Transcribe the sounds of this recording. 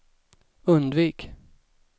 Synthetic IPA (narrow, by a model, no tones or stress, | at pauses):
ɵnd̪viːk